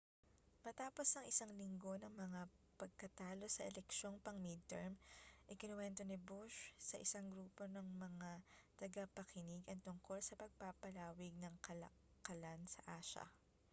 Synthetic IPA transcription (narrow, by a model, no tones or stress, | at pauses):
mɐt̪aːpo̞sɐŋɪsaŋlɪŋɡo̞nɐŋmɐŋa | pɐɡ̚kɐt̪aːlo̞sɐʔɛlɛkʃo̞ŋpɐŋmid̪̚t̪ɛ̰ɹmʔɪkɪnwɛnt̪o̞nɪbuʃsɐʔɪsaŋɡɾuːpo̞nɐŋmɐŋat̪ɐɡɐpɐkɪnɪɡʔɐŋt̪ʊŋko̞lsɐpɐɡ̚papɐlaːwɪɡ̚nɐŋkɐlɐ̰ | kɐlansɐ̰ʔaːʃɐ̰